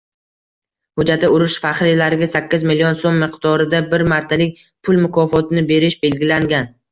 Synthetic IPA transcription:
hʊd͡ʒat̪ʰɪʊɾɪʃfaχɾɪlaɾɪɡʲasakʲːɪzmɪlijonsomːɪqd̪̥ɒɾɪd̪abɪɾmaɾt̪ʰalɪk̚ʲ | pʰʊlˠmʊkʰɒfɒt̪ʰɪnɪbe̞ɾɪʃbe̞lɡʲɪlaŋɡʲan

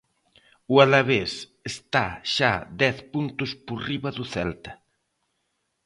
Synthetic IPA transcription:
ualaβes | est̪aʃad̪ɛθpunt̪ʊspoɾriβɐðʊθɛlt̪ɐ

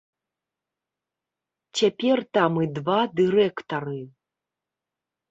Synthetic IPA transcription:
t͡ɕʲapʲert̪amɨd̪vad̪ɨrɛkt̪ɐrɨ

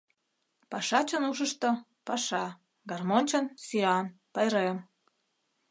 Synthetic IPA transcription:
pɑʃɑt͡ɕənuʃ̬əʃt̪o | pɑʃɑ | ɡɑrmonʲt͡ɕənsyɑnpɑjɾem

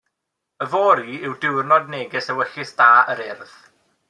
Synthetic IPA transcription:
əvoːɾiɪwdɪwrnɔdneːɡɪsəwəɬɪsd̥aːəɾɪrð

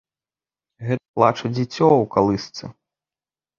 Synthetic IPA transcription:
ɣɛt̪ɐplˠat͡ʂɐd͡zʲit͡sʲɔwkalˠɨst̪sɨ̰

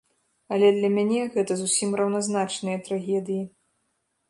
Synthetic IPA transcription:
ɐlʲɛd̪lʲɐmʲanʲɛɣɛt̪ɐzusʲimrɐwnazn̪at͡ʂnɨjɐt̪ɾaɣʲɛd̪ɨji

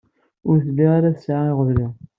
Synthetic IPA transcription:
ʊɾθliʁaɾæsʕaiʁəðɾi

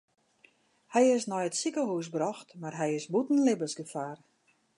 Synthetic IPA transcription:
hɛjɪsnɔjətsikəɦuːsbrɔxtmarɦɛjɪsbutn̩lɪbəsɡəfaːr

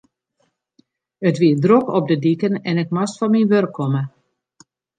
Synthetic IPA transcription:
ətʋiədrokɔp̚dədikənɛnɪkmastfɔnminʋørkʰːɔmə

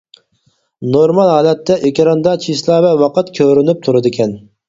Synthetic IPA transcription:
noɾmɑlˠɦɑːlɛt̪ʰːɛʔekʲiɾɑnd̪ɑt͡ʃʰislˠɑːvɛwɑqət̪kʲʰøɾynyp̚t̪ʰuɾɨd̪ɪkʲʰɛn

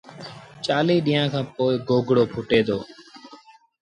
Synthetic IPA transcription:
t͡ʃaːliːɗiːãːkʰãːpoːɪɡoːɡʱɽoːpʰʊʈeːd̪oː

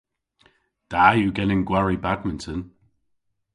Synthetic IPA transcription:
d̥ajuɡɛnɪ̃ŋɡwaɹibadmɪ̃ntən

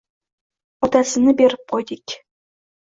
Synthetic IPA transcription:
ɒt̪asə̆nəbeɾɪp̚qʰojd̪ikʲ

